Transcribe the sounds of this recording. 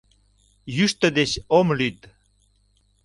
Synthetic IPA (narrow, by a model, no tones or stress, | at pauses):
jyʃt̪əd̪eɕomlyt̪